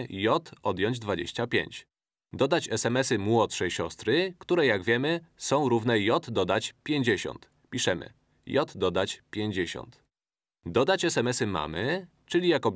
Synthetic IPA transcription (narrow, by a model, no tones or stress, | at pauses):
jɔt̪ɔd̪ʲjɔ̃ɲd͡ʑd̪vad͡ʑḛɕt͡ɕapʲjḛɲt͡ɕ | d̪ɔd̪at͡ɕɛsɛmɛsɘmwɔt̪ʂɛjɕɔst̪ɾɘkt̪uɾɛjaɡvʲjɛmɘsɔ̃w̃ɾuvnɛjɔt̪d̪ɔd̪at͡ɕpʲjeɲd͡ʑeɕɔ̰nt̪ | pʲiʂɛmɘ̰ | jɔt̪d̪ɔd̪at͡ɕpʲjeɲd͡ʑeɕɔ̰nt̪ | d̪ɔd̪at͡ɕɛsɛmɛsɘma̰mɘ | t͡ʂɘlʲijakɔb